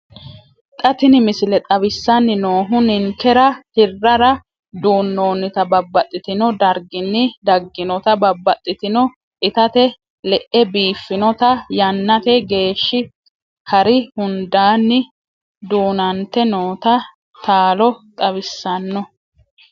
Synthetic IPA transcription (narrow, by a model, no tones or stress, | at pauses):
t̪ʼɐt̪ɪnɪmɪsɪlɛt̪ʼɐbɪsːɐnːɪnoːɦʊnɪŋkːɛɾɐhɪrːɐɾɐ | d̪uːnːoːnːɪt̪ɐbɐbːɐt̪ʼːɪt̪ɪnɔd̪ɐɾɡɪnːɪd̪ɐɡːɪnɔt̪ɐbɐbːɐt̪ʼːɪt̪ɪnɔ | ʔɪt̪ɐt̪ɛ | lɛʔɛbiːfːɪnɔt̪ɐjɐnːɐt̪ɛɡe̞ːʃːɪ | hɐɾɪhʊnd̪aːnːɪ | d̪uːnɐnt̪ːɛnoːt̪ɐ | t̪aːlɔt̪ʼɐβɪsːɐnːɔ